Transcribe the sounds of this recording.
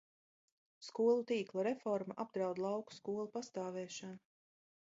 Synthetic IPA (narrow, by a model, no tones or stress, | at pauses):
skuɔlˠut̪iːklˠaɾefɔɾmaʔab̚d̪ɾawd̪lˠɑwku̥skuɔlˠupast̪aːvɛːʃanu